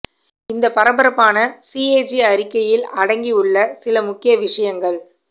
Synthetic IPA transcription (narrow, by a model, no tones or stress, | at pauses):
ɪnd̪ɐpɐɾɐbɐɾɐpːaːnɐsiːeːd͡ʒiɐɾɪkːɐjɪlɐɽɐŋɡiɯɭːɐsɪlɐmʊkːɪjɐʋɪʂɐjɐŋɡɐɭ